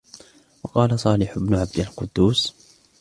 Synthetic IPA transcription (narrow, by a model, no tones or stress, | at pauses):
wɑqɑːlasˤɑːlɪħʊbnʊʕab̚d̪alqʊd̪ːuːs